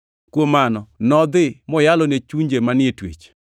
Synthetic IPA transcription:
kwomanɔnɔd̪ɪmɔjalɔnet͡ʃuɲd͡ʒemanɪetwḛt͡ʃ

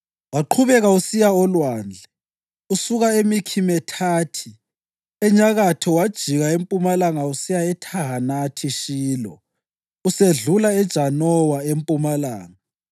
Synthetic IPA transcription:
waǃʰuβɛɣausijaɔlwaːnd͡ɮʱɛ | usuɣaemikʰimɛtʰaːtʰi | ɛɲaɣatʰɔwad̥ʒ̥ʱiɣaempʼumalaŋausijaɛtʰaɦanatʰiʃiːlɔ̰ | useɮulaɛd̥ʒ̥ʱanɔwaempʼumalaːŋa

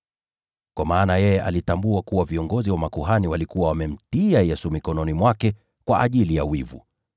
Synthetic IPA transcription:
kwamaːnajɛjɛʔalitambuakuwaviɔŋɡɔziwamakuɦaniwalikuwawamɛm̩tiajɛsumikɔnɔnimwakɛ | kwaʔa̰ʄilijawivṵ

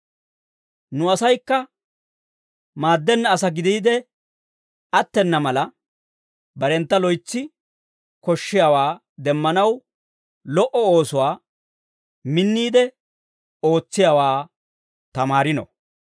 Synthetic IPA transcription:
nʊɐsɐjkːɐ | maːd̪ːɛnːɐːsɐɡɪd̪iːd̪ɛ | ʔɐt̪ːɛnːɐmɐlɐ | bɐɾɛnt̪ːɐlɔjt͡sːɪ | kɔʃːɪjaːwaː | d̪ɛmːɐnɐw | lɔʔɔo̞ːsʊwaː | mɪnːiːd̪ɛ | o̞ːt͡sːɪjaːwaː | t̪ɐmaːɾɪnɔ̰

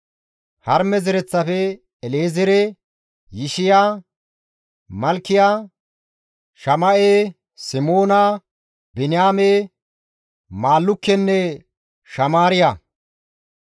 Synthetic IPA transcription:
hɐɾmɛzɪɾɛt͡sːɐfɛː | leːzɪɾɛ | jɪʃɪjaː | mɐlkːɪjaː | ʃɐmɐʔe | sɪmo̞ːnɐ | bɪnɪjaːme | maːlːʊkːɛnːɛ | ʃɐmaːɾɪja

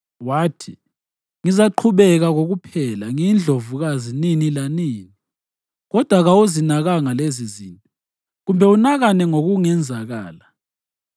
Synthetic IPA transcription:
waːtʰi | ŋizaǃʰuβɛɣaɣoɣupʰɛlaŋind͡ɮʱovuɣazininilaniːni | ɣɔd̥ʱwaɣawuzinaɣaŋalezizintʼɔ | ɣumbʱɛunaɣanɛŋoɣuŋɛnd͡zʱaɣa̰ːla

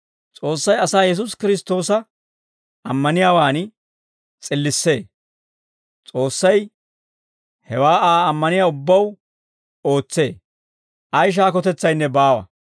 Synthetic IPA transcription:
t͡sʼo̞ːsːɐjɐsaːjɛs̬ʊskɪɾɪst̪o̞ːsɐ | ʔɐmːɐnɪjaːwaːn | t͡sʼɪlːɪsːe̞ː | t͡sʼo̞ːsːɐj | hɛwaːʔaːɐmːɐnɪjaːʊbːɐw | o̞ːt͡sːe̞̰ː | ʔɐjʃ̬aːkɔt̪ɛt͡sːɐjnːɛbaːwɐ̰

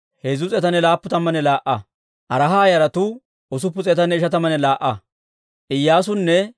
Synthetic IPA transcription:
heːzʊt͡sʼɛt̪ɐnɛlaːpːʊt̪ɐmːɐnɛlaːʔɐ | ʔɐɾɐɦaːjɐɾɐt̪ʊ | ɔs̬ʊpːʊt͡sʼɛt̪ɐnɛɪʃɐt̪ɐmɐnɛlaːʔːɐ | ʔɪjːaːsʊnːɛ

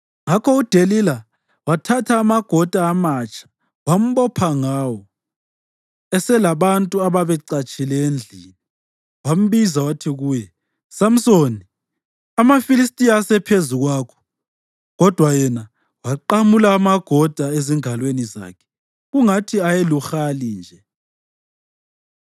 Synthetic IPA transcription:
ŋakʰɔud̥ʱelila | watʰatʰaːmaɡ̥ʱɔd̥ʱaːmat͡ʃʰʼḁ | wam̩βɔpʰaŋaːwɔ | ɛsɛlaβantʼuaβaβɛǀat͡ʃʼilɛend͡ɮʱiːni | wam̩βizawatʰiɣuːjɛ | sam̩soni | amafilis̬tʼijaːsɛpʰezuɣwaːkʰɔ̥ | ɣɔd̥ʱwajɛna | waǃamulaːmaɡ̥ʱɔd̥ʱaeziŋʱalweniza̰ːkʰɛ̥ | ɣuŋatʰiajeluxalind͡ʒʱɛ

